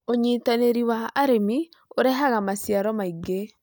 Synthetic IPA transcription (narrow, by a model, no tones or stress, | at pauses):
oɲiːtaneɾiwaːɾemi | oɾɛɦaɣamasiaɾɔmaiɡe